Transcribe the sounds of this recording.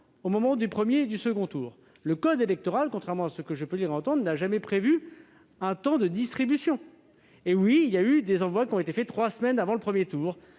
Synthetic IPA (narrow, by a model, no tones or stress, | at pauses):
omɔmɑ̃d̪ypχəmjed̪ysəɡɔ̃t̪uːʁ | ləkɔd̪elɛk̚t̪ɔʁalkɔ̃t̪χɛʁmɑ̃asəkəʒəpøliʁɑ̃t̪ɑ̃d̪ʁnaʒamɛpχevy | ɛ̃t̪ɑ̃d̪əd̪ist̪χibysjɔ̃ | ewiːljayd̪ezɑ̃vwakʲiɔ̃et̪efɛt̪χwasmɛnavɑ̃ləpχəmjet̪uːʁ